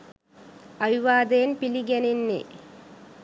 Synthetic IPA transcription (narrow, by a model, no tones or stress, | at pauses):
ɐʋiʋaːd̪eːnpiliɡɐninːḭ